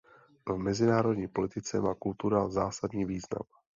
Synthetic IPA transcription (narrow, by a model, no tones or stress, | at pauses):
vmɛzɪnaːɾo̞dɲiːpo̞lɪt̪ɪt͡sɛmaːkult̪uɾazaːsadɲiːviːzna̰m